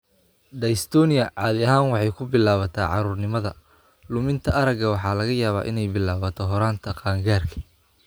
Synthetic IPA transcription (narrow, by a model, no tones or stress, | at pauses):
ɖɐst̪ʰɔːnɪjɐʕɑːðɪɐɦaːnwɑħɑjkʰʊbɪlaːβɐt̪ʰa̰ːʕɑ̰ɾuːrnɪmɐðɐ | lʊmɪnt̪ʰɐʔɐɾɐɡɐwɑħɑːlɐɣɐjaːβa̰ːʔɪ̰nɛjbɪlaːβɐt̪ʰɔɦɔɾaːnt̪ʰɐqɑːŋɡaːrkʰɐ̥